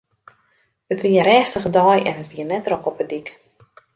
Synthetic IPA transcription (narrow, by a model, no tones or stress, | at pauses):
ətʋiəɾɛːstəɣədɔjʔɛ̰nətʋiənɛtrokɔpədik